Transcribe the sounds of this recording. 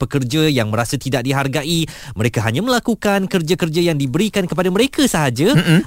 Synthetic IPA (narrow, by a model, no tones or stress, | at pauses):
pəkərd͡ʒajaŋmə̃ɾasat̪idak̚diɦarɡaʔimə̃ɾekaɦaɲãmə̃lakukankərd͡ʒakərd͡ʒajaŋdibəɾikankəpadamə̃ɾekasəɦad͡ʒa